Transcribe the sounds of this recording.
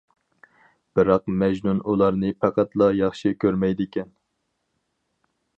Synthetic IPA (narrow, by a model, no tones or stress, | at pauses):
b̥ɨɾɑqmɛʒnunulˠɑɾnɨpʰæqæt̪lˠɑjɑχʃikʲʰøɾmɛjd̪ɪkʲɛn